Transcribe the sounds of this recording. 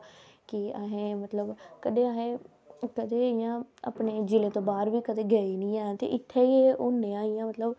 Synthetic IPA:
kɪaɦẽːmət̪ləbkəd̪eːaɦẽː | kəd̪eːɪjãːa̰ːpneːd͡ʒɪleːt̪õːbaːɾʋiːkəd̪eːɡəiːnĩːɛːt̪ḛːʔɪt̪ʰːeːieːʔonːẽːãːɪjãːmət̪ləb

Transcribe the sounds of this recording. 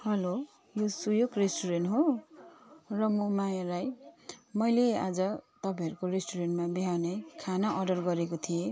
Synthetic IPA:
hʌlo | josujoɡresʈuɾenʈɦo | rʌmomajalajmʌjlea̰d͡zʌt̪ʌpãɦʌɾukoɾesʈuɾenʈmabiɦawnʌjkʰanaʔʌɖʌrɡʌɾekot̪ʰie

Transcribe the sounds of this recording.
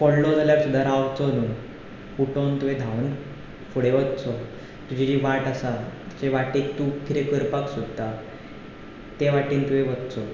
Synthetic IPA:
pɔɽlod͡zaljaɾsud̪ʱːaɾaʋt͡sɔnu | fuʈont̪uʋed̪ʱaʋn | fuɽeʋət̪t͡sɔ | t̪ud͡ʑid͡ʑiʋaʈasat͡ɕeʋaʈiːkt̪ukʰiɾekəɾpaksud̪ʱt̪a | t̪eʋaʈiːnt̪ueʋət̪t͡sɔ

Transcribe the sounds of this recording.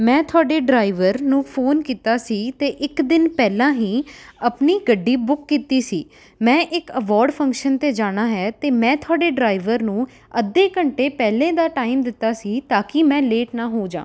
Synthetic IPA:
mɛ̃ːt̪ʰʊaːɖeːɖɾaːɪʋəɾnũːpʰoːnkiːt̪aːsiːt̪eːʔɪkd̪ɪnpɛːlãːɦiːəpniːɡəɖiːbʊkːiːt̪iːsiː | mɛ̃ːʔɪkəʋɔːɾɖpʰə̃ŋkʃənt̪eːd͡ʒaːɽ̃aːɦɛːt̪eːmɛ̃ːt̪ʰʊaːɖeːɖɾaːɪʋəɾnũː | əd̪eːkəɳʈeːpɛːlẽːd̪aːʈaːɪmd̪ɪt̪ːaːsiːt̪aːkɪmɛ̃ːleːʈnãːɦoːd͡ʒã̰ː

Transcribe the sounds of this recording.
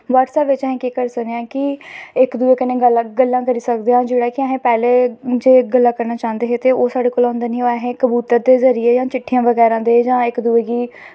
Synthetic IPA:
ʋaːʈsɛːpʋɪt͡ʃəɦẽːkiːkəɾsəneːãːkɪɪkd̪ueːkənẽːɡəlɡəlːãːkəɾiːsəkd̪eãːd͡ʒeːɽaːkɪəɦẽːpɛːleːd͡ʒeːɡəlːãːkəɾnaːt͡ʃãːnd̪eːɦeːt̪eːoːsaːɖeːkoːlãːnd̪eːnĩːoɛɦẽːkəbuːt̪əɾd̪eːzəɾijeːd͡ʒãːt͡ʃɪʈʰːijãːʋəɡɛːɾãːd̪eːd͡ʒãːɪkd̪ʊeːɡiː

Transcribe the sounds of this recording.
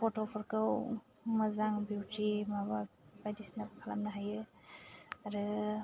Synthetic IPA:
pʰɔtopʰɔɾkʰɯw | mɐzaŋbiwtimaβabajdisnabakʰala̰mnaɦajɯ | aɾɯ

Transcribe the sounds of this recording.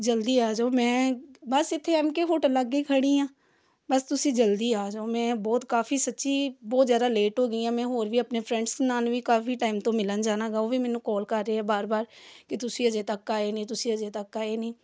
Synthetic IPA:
d͡ʒəld̪iːaːd͡ʒoːmɛ̃ːbəsɪt̪ʰːeːɛmkeɦʊʈləɡːiːkʰəɽiːãː | bəst̪ʊsĩːd͡ʒəld̪iːaːd͡ʒoːmɛ̃ːbɔːt̪kaːfʰiːsətːʃiːbɔːt̪zjaːd̪aːleːʈɦoːɡəijãːmɛ̃ːɦoːɾʋiːəpneːpʰɾɛ̃ːɳɖsnaːnʋiːkaːfiːʈaːɪmt̪õːmɪlənd͡ʒaːnaːɡaːoːʋiːmɛ̃ːnũːkɔːlkəɾːeːɦɛːbaːɾbaːɾkɪt̪ʊsĩːəd͡ʒeːt̪əkːaːeːnĩːt̪ʊsĩːəd͡ʒeːt̪əkːaːeːnĩː

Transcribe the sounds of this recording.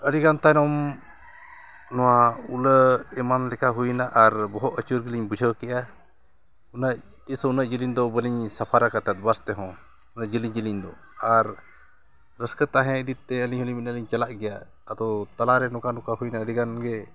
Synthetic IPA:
əɖiɡant̪ajnɔm | nɔwauləɛmanlɛkaɦujnaʔaɾbɔɦɔt̪ət͡ʃuɾɡəliɲbud͡ʒʱəkɛʔa | unaʔ | t̪isɔunaʔd͡ʒiliɲd̪ɔbəliɲsapʰaɾakat̪at̪̚bast̪ɛɦɔ̃ | unaʔd͡ʒiliɲd͡ʒiliɲd̪ɔ | aɾ | ɾəskət̪aɦɛ̃id̪it̪̚t̪ɛəliɲɦuliɲminəliɲt͡ʃalaʔɡɛjaː | d̪ɔt̪alaɾɛnɔkanɔkaɦujnaəɖiɡanɡɛ

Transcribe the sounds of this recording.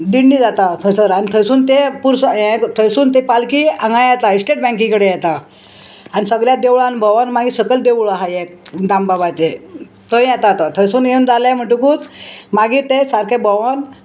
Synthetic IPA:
d̪iɳːiːd͡zat̪at̪ʰəsəɾañit̪ʰəjsuːnt̪epuɾsəẽt̪ʰəjsuːnt̪epalkiːãŋɡãjjɛt̪aisʈeʈ̚bɛ̃ŋk̬ĩkəɽejɛt̪a | anisəɡljad̪eʋɭanbʱəʋanmaɡiːsəkəld̪eʋɭaɦajekd̪ambabat͡se | t̪ʰəĩjɛt̪at̪at̪ʰəjsuːnjeund͡zalẽm̤əɳʈũkuːt̪maɡiːt̪esaɾkebəʋan

